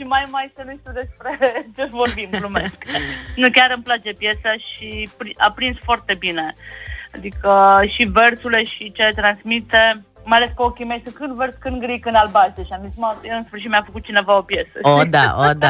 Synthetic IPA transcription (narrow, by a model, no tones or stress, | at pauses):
ʃimajmajsenuʃt̪ud̪e̞spɾe̞t͡ʃe̞vo̞rbimplumesknukʲaɾɨmplat͡ʃe̞pje̞saʃipɾia̰pɾinsfoart̪e̞bine̞ad̪ikəʃiversule̞ʃit͡ʃelet̪ɾansmit̪e | majale̞skeokʲimeajsɨkɨnd̪verskɨnd̪ɡɾikɨnalbast̪eʃiamzit̪smajeɨnsfɨrʃ̬it̪mʲjʲafəkut̪̚t͡ʃine̞vao̞pje̞səod̪a̰od̪a